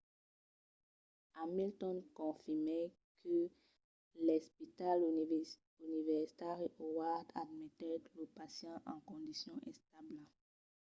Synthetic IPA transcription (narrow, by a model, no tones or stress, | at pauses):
amilt̪ɔ̃nkɔ̃fimɛ | kʰə | lɛspit̪al | ynivɛʁsi̥t̪aʁeʔowad̪ad̪mɛt̪ɛləpasjɑ̃ʔɑ̃kɔ̃d̪isjɔ̃ʔɛ̃st̪abl